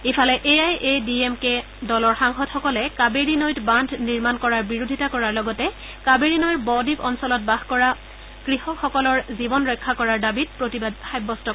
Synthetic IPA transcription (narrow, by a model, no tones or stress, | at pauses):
ipʰalɛʔeajediemke | dɔlɔɹxaŋxɔdxɔkɔlɛkabeɹinɔjtbandʱniɹmankɔɹaɹbiɹodʱitakɔɹaɹlɔɡɔtɛ | kabeɹinɔjbɔdipɔnsɔlɔt̚baxkɔɹa | kɹihɔxɔkɔlɔɹzibɔnɹɔjkʰːakɔɹaɹdabit̚pɹotibad̚xajbːɔstɔ